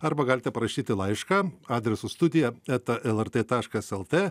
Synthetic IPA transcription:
ɐɾbɐɡɑːlʲɪt̪ʲɛpɾɐʃʲiːt̪ʲɪlˠɐɪʃkɑːɑːd̪ʲɾʲɛsʊst̪ʊd̪ʲɪjɛɛt̪ɐʔɛlˠɛɾt̪eːt̪ɑːʃkɐsɛlˠt̪ʲeː

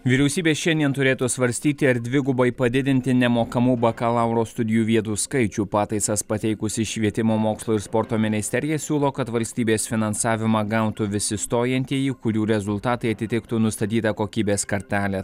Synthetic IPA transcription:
ʋʲiɾʲɛʊsʲiːbʲeːʃʲɛnʲd̪ʲiɛnt̪ʊɾʲeːt̪usʋɐɾʲsʲt̪ʲiːt̪ʲɪɐɾd̪ʲʋʲɪɡʊbɐɪpɐd̪ʲɪd̪ʲɪnʲt̪ʲɪnʲɛmoːkɐmuːbɐkɐlˠɐʊɾoːst̪ʊd̪ʲɪjuːʋʲiɛt̪uːskɐɪt͡ʃʲuːpɑːt̪ɐɪsɐspɐt̪ʲɛɪkʊsʲɪʃʲʋʲiɛt̪ʲɪmoːmoːkslˠoːɪɾspɔɾt̪oːmʲɪnʲɪsʲt̪ʲɛɾʲɪjɛsʲuːlˠoːkɐt̪ʋɐlʲsʲt̪ʲiːbʲeːsfʲɪnɐnsɑːʋʲɪmɑɡɐʊt̪uʋʲɪsʲɪst̪oːjɛnʲt̪ʲiɛjiːkʊɾʲuːɾʲɛzʊlˠt̪ɑːt̪ɐɪɐt̪ʲɪt̪ʲɪkt̪unʊst̪ɐt̪ʲiːt̪ɐkoːkʲiːbʲeːskɐɾʲt̪ʲæːlʲɛ

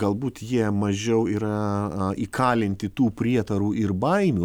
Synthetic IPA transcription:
ɐlˠbuːt̪jiɛmɐʒʲɛʊiːɾɐiːkʰɑːlʲɪnʲt̪ʲɪt̪uːpʲɾʲiɛt̪ɐɾuːʔɪrbɐɪmʲu

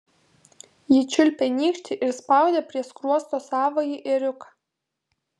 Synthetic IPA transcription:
jɪt͡ʃʲʊlʲpʲɛnʲiːkʃʲt̪ʲɪʔɪɾspɑˑʊd̪ʲeːpʲɾʲiɛskɾuɔst̪oːsɑːʋojiʔɪɾʲʊkɑ

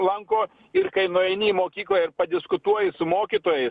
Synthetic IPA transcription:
lˠɐŋkoː | ɪɾkɐɪnoːjɛnʲiːmoːkʲiːklˠɐːjɪɾpɐd̪ʲɪskʊt̪uɔjɪsʊmoːkʲiːt̪oːjɛɪs

